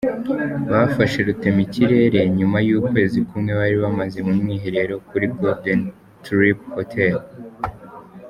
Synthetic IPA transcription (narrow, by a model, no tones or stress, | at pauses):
βafaʃe̞ɾute̞miciɾe̞ːɾe̞ɲumajuːkwe̞ːzikumŋe̞βaɾiβamaze̞mumŋiːɦe̞ɾe̞ɾo̞kuɾiɡoden | tɾiphotʰel